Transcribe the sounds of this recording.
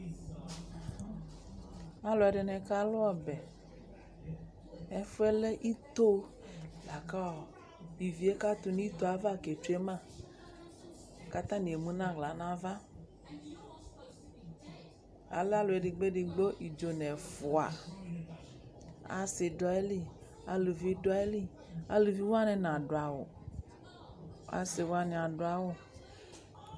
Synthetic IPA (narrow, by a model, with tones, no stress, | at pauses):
a˦lɔ˨ɛ˨ɖɛ˨nɛ̃˨ka˦lo˦ɔ˨bɛ˨ | ɛ˦fe˦le˦ʔi˦t̪o˦ | la˨ka˦wɔ˨ | vi˨vi˨˦e˦ka˦t̪u˨nĩ˦t̪o˦a˨va˦˨ke˨t͡ʃu˦e˦mã˦˨ | ka˦t̪ã˦nĩ˨e˨mũ˦nã˦˨ɣla˨nã˦va˦ | a̰˨la˦lo˨e˨ɖi˨ɡ͡be˦ɖi˨ɡ͡bo˦ʔi˨d͡ʒo˨nɛ˨fʊ˨a̰˨ | a̰˨se˨dɔ˨˦e˦li˦ | a̰˨lu˨vi˦dɔ˦e˦li˦ | a̰˨lu˨vi˦wa˦nɛ̃˨nã˨ɖo˨a˨wo̰˨˦ | a̰˦se˨wo˦a˦nĩ˨a˨ɖo˦a˦wo˦